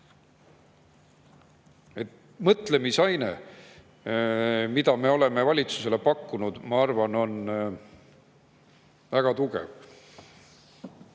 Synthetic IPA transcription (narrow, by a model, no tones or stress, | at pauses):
e̞t̪ | mɤt̪le̞misɑjne̞̰ | mid̪ɑme̞o̞le̞me̞vɑlʲit̪su̥se̞le̞pɑkːunud̪̥mɑɑrvɑno̞n | væɡ̥ɑt̪uɡḛv